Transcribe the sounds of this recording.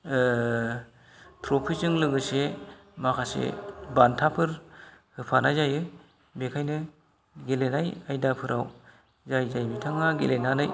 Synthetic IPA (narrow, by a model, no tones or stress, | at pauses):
tʰɾopʰizɯŋlɯɡɯsemakʰasḛbantʰapʰɯɾ | hɯpʰanajzajɯ | bekʰajnɯ | ɡelenajajdapʰɯɾʔaw | zajzajbitʰaŋaɡelenanaj